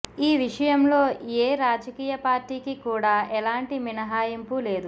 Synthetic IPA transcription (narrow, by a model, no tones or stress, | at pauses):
iːʋiʂɐjɐmlo̞ːeːɾaːd͡ʒɐkiːjɐpaːɾʈiːkikuːɽaːɛlaːɳʈiminɐɦaːjimpule̞ːd̪u